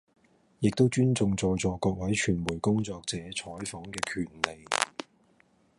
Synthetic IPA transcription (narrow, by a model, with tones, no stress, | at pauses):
jɪ˨k̚t̪o˥wt͡ʃyː˥nt͡sʊ˨˧ŋt͡sɔː˨˧jt͡sɔː˨˥kɔː˧k̚wɐ˨˥jt͡ʃʰyː˨˩nmuː˨˩jkʊ˥ŋt͡sɔː˧k̚t͡sɛː˨˥t͡sʰɔː˨˥jfɔː˨˥ŋkɛː˧kʰyː˨˩nle˨j